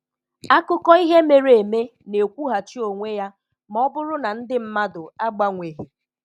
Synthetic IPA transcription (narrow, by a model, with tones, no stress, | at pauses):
a˦kʊ˦kɔ˦i˦ɦe˦me˨ɾe˨me˦ne˨kʷu˦ɦa˨t͡ʃi˦o˨ŋʷe˦ja˦ | m˦ɔ˦bʊ˦ɾʊ˦na˨n̩˦dɪ˦m̩˦ma˦dʊ˨a˦ɡ͡ba˦ŋʷe˨ɦi˨